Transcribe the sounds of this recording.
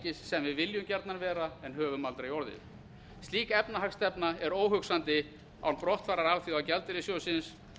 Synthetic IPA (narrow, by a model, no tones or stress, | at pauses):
cɪssːɛmvɪðvɪljʏmcɛɾt̪nanvɛːɾaɛnɦœːvʏmalt̪ɾaiɔɾðɪ̰ | st̪liːkaɛpnaɦakst̪ɛpnaɛɾoːwɦʏksant̪ɪ | a̰wnpɾɔht̪faːɾaɾalθjʏawcɛlt̪ɪɾɪsjoːwsɪns